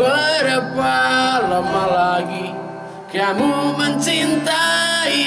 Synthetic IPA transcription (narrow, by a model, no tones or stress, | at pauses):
əɾəpalamalaɡi | keamuməɲt͡ʃint̪ai